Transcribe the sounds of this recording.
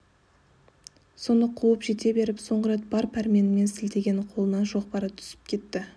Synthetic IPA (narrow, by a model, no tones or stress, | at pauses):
so̞nəqʰuwəpʒe̞t̪e̞be̞ɾɪpso̞ɴʁəɾe̞t̪̚bɑɾpʰæɾme̞nɪme̞nsɪlt̪e̞ɡʲe̞nqʰo̞lˠənɑnʒo̞qpɑɾət̪ʰʏ̥sɪ̥p̚kʲʰe̞t̪ːɪ